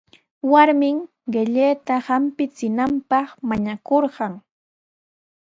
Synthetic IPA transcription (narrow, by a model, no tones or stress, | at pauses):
waɾmɪŋ | ɢɪʎeːt̪ahampɪt͡sɪnampɑχmaɲakoɾɢɑŋ